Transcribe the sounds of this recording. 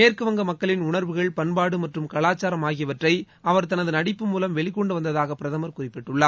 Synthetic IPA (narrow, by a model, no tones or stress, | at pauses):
meːrkɯʋɐŋɡɐmɐkːɐɭɪnʊɳɐɾʋɯɣɐɭpɐɳbaːɽɯmɐʈrɯmkɐɭaːt͡ʃːaːɾɐmaːɣɪjɐʋɐʈrɐɪ | ɐʋɐɾt̪ɐnɐðɯnɐɽɪpːɯmuːlɐmʋɛɭɪkːɔɳɖɯʋɐnd̪ɐðaːɣɐpːɪɾɐðɐmɐɾkʊrɪpːɪʈːɯɭːaː